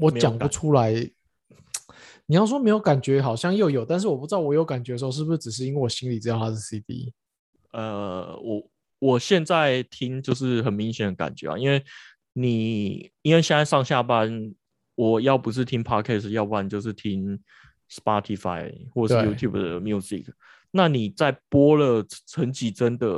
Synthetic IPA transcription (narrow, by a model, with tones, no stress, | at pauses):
wɔ˨˦t͡ɕjɑ˨ŋpu˨˦ʈ͡ʂʰu˦˥la˧˦ɪ | ni˨˩jɑ˥˩ʊs̬wɔ˥me˧˥jo˧˥ʊka˨˩nt͡ɕɥɛ˧˦xɑ˨˩ʊɕjɑ˥˧ŋjo˥˩ʊjo˨˩ʊt̪a˥˧ns̬ɻ̩˥˩wɔ˨˩pu˥˩ʈ͡ʂɻ̩˧˦ɑ˥˩ʊwjo˧˦ka˨˩nt͡ɕɥɛ˧˥də˧˩˧o˥˧ʂɻ̩˥˩bu˩ʂ̩˥˧˩ʈ͡ʂɻ̩˨˩ʂ̬ɻ̩˥˧i˥nwe˥˩wɔ˨˩ɕi˥˦ŋli˨˩t͡ɕɻ̩˧˥t̪ɑ˥˧˩t̪ʰa˥˩ʂ̩˥˩si˦t̪ḭ˦ | ə˨wɔ˨˩ | wɔ˨˩ɕjɛ˥˧nt͡sa˥˨ɪt̪ʰi˦˥ŋt͡ɕjo˥˧ʊʂ̬ɻ̩˥˩xə˨˩nmi˧˦ŋɕjɛ˨nd̪ə˧˦ka̰˨˩nt͡ɕɥɛ̰˨˦a̰˨i˦nwe˥˩ɪ | ni˨˩˥nwe˥˩ɪɕɛ˥na˥ɪʂɑ˥˧ŋɕja˥˨pa˦n | wɔ˨˩jɑ˥˩ʊpu˧˦ʂ̬ɻ̩˥˩t̪ʰi˦˥ŋpʰa˥kʰɛ˥˩s̩˨˩jɑ˥˧ʊpu˥a˧˨t͡ɕjo˥˧ʊʂ̬̩˥˩t̪ʰi˦˥ŋ | spɑ˦˥t̪ʰi˨˩fa̰˧˥ɪxwɔ˥˩ə˩˥˧ju˥t̪ʰju˥˩bd̪ə̰˩mju˥sḭ˨˩kʰ | na˥˨ni˨˩t͡sa˥˩ɪpwɔ˥lə˨ʈ͡ʂʰə˧˥nt͡ɕi˧˥ʈ͡ʂə˦nd̪ə˨